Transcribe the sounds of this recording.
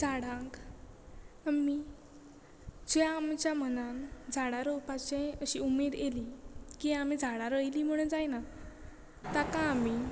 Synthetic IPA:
d͡zʱaɽãk | ami | d͡zjaːmt͡ɕjamənand͡zʱaɽaɾopat͡ɕẽəɕiumeːd̪elikiamid͡zʱaɽaɾəjliːm̤əɽ̃und͡zajna | t̪akaːmi

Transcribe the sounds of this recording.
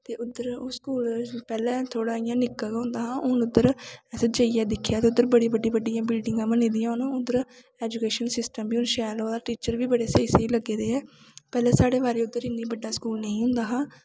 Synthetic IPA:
t̪eːʊd̪əɾoːskuːlpɛːlɛ̃ːt̪ʰoːɽaːɪjãːnɪkːakɦʊ̃ːnd̪aːɦãːʔʊnʊd̪ːəɾɛsəd͡ʒəːiaːd̪ɪkʰːjaːt̪eːʊd̪ːəɾbəɽiːbəɖĩːbəɖɪjãːbɪlɖɪŋɡãːbənẽːd̪ɪjãːʊnːʊd̪əɾ | ɛːd͡ʒuːkeːʃənsɪsʈəmbiːʊnʃɛːloːd̪aːʈiːt͡ʃəɾʋiːbəɽeːseiseːiːləɡːeːd̪eːɛː | pɛːlɛ̃ːsaːɽeːʋaːɾeːʊd̪ːəɾɪniːbəɖːaːskuːlnəĩːɦʊ̃ːnd̪aːɦãː

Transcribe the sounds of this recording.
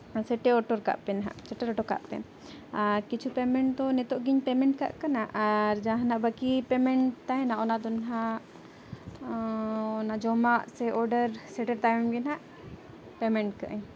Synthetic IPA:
sɛʈɛɔʈɔɾka̰ʔpɛnɦa̰ʔsɛʈɛɾɔʈɔka̰ʔpɛ̰ | akit͡ʃʰupɛmɛɳʈt̪ɔnɛt̪ɔʔɡiɲpɛmɛɳʈ̚ka̰ʔkanaʔaɾd͡ʒãɦanaʔbəkipɛmɛɳʈt̪aɛnaʔɔnaʔd̪ɔnɦa | ɔnaʔd͡ʒɔmaʔsɛʔɔɾɖəɾsɛʈɛɾt̪amɡɛnɦaʔ | pɛmɛɳʈ̚kaʔəɲ

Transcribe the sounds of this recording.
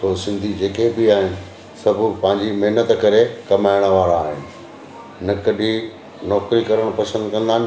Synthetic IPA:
soːsɪ̃nd̪ʱid͡ʑeːkebɪaːɦɪnɪ̆ | sɐbʱʊpɐ̃ɦɪ̃ɲd͡ʑimeɦnət̪kɐɾekɐmaːɪɽ̃əʋaːɾaːɦɪ̰nɪ̆ | nɐkɐɗi | nɔːkɾikɐɾəɽ̃pɐsə̃nd̪kɐ̃nd̪aːn

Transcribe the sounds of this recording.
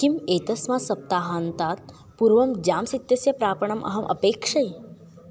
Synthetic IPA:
kimeːt̪ɐsmaːsɐp̚t̪aːɦaːnt̪aːt̪̚ | puɾʋɐmd͡ʒaːmsit̪jɐsjɐpɾaːpɐɳ̃ɐmʔɐ̰ɦɐmʔɐ̰peːkʂɐj

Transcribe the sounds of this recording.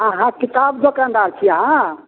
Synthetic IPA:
aɦãkit̪abd̪okãnd̪aɾt͡ʃʰiəɦã

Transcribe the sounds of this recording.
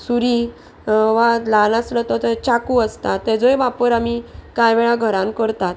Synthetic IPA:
suɾi | ʋalanaslət̪ɔt̪ət͡ɕakuəst̪at̪ːɛd͡zɔjʋapəɾamikajʋeɭaɡʱəɾãmkəɾt̪at̪̚

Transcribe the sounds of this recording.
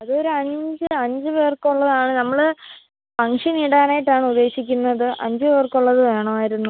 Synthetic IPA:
ɐðo̞ɾuɐɲd͡ʑɨɐɲd͡ʑɨʋeːrkuɭːɐðaːɳɨnɐmːɐɭɨ | pɐŋʂiniɽaːnaːjiʈːaːɳɨud̪ːe̞ːɕikʲːunːɐðɨʔɐ̰ɲd͡ʑɨʋeːrkuɭːɐðɨʋe̞ːɳɐmaːjiɾunːu

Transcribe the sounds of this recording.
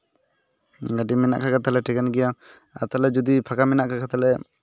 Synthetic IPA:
ɡaʈimɛna̰ʔkʰakat̪alɛʈɛɡɛnɡɛja | a̰t̪alɛd͡ʒud̪ipʰakamɛnaʔkʰakʰat̪alɛ

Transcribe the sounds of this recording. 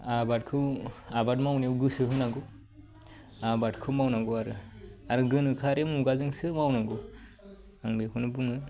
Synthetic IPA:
abat̚kʰɯwabat̚mawniwɡɯsɯɦɯnaɡu | abatkʰɯwmawnaɡuaɾɯaɾɯɡɯnɯkʰaɾemuɡazɯŋsɯmawnaɡu | aŋbekʰɯnɯbuŋɯ

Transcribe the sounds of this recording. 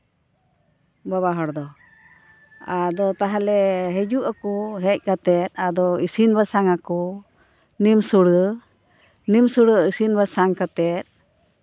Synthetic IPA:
baβaɦɔɽd̪ɔ | ad̪ɔt̪aɦalɛɦɛd͡ʒuʔakuɦɛc̚ˀkat̪ɛt̪̚ad̪ɔisinbasaŋakɔ | nimsuɽə | nimsuɽəisinbasaŋkat̪ɛt̪̚

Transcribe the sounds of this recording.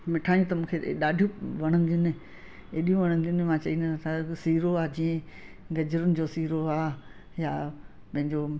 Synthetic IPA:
mɪʈʰaːjũt̪ɐmũːkʰeɗaːɖʱijũʋɐɽ̃ə̃nd̪ʊnɪ | eːɗijũʋɐɽ̃ə̃nd̪ʊnɪmãt͡ɕɐinat̪ʰasiːɾoaːd͡ʑiːẽ | ɡɐd͡ʑəɾʊnɪ̆d͡ʑosiːɾoaː | jaː | pɐ̃ɦɪ̃ɲd͡ʑo

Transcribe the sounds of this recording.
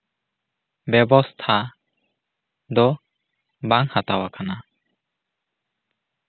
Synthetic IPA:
bɛbɔst̪ʰa | d̪ɔ | baŋhat̪awakʰana

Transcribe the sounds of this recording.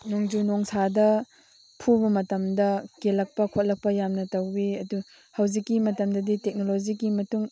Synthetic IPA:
noŋd͡ʒunoŋsʰadɐ | pʰubɐmɐtɐmdɐkelɐk̚pɐkʰot̚lɐk̚pɐjamnɐtɐwbiɐdu | hɐwzikːimɐtɐmdɐditek̚nolod͡ʒiɡimɐtuŋ

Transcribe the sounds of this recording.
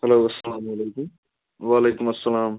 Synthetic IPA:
hɐloːɐsːɐlaːmɐleːkʊm | ʋaːleːkʊmɐsːɐlaːm

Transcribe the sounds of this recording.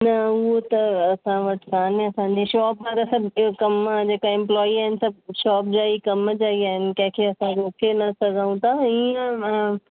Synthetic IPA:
nɐʊɦot̪ɐɐsãʋɐʈkaːniɐsãɲ̆d͡ʑiʃɔːp̚aɾɐsɐbkɐmd͡ʑeːkaɪ̃mplɔːiaːɦɪnɪ̆sɐb̚ʃɔːp̚d͡ʑaːikɐmd͡ʑaːiaːɦɪnɪkɐ̃ɦɪ̃kʰeɐsãɾoːkʰenɐsɐɡʱaũt̪ʰaiːə̃

